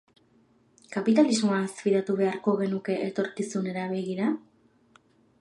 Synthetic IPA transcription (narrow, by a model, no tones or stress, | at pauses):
kapit̪alizmoaːsfiɾat̪uβe̞aɾko̞ɣe̞nuke̞ʔet̪o̞ɾkisune̞ɾaβe̞ɣiɾa